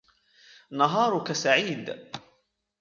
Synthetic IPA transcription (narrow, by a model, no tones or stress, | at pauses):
nɑɦɑːɾˤʊkasaʕiːd̪